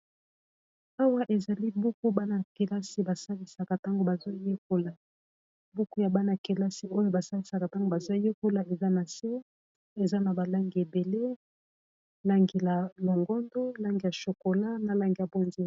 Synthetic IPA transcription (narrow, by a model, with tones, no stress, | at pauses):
a˦wa˦ʔe˨za˨li˦bu˦ku˦ba˦na˨ke˨la˦si˨ba˨sa˦li˨sa˨ka˨ta˦ŋɡo˨ba˨zo˦je˦ko˨la˨ | bu˦ku˦ja˨ba˦na˨ke˨la˦si˦o˦jo˦ba˨sa˦li˨sa˨ka˨ta˦ŋɡo˨ba˨zo˦je˦ko˦la˨e˨za˦na˨se˦ | e˨za˦na˨ba˨la˦ŋɡi˨e˨be˨le˦ | la˦ŋɡi˨la˨lo˨ŋɡɔ˦ndo˦la˦ŋɡi˨ja˨ʃo˨ko˨la˦na˨la˨ŋɡi˨ja˨bo˦nze˦